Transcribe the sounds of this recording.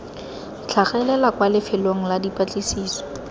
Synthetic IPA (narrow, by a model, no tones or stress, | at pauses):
t͡ɬʰaχɛlɛlakwalɪfɪloŋ̩ladipʼat͡ɬʼisiːsɔ̥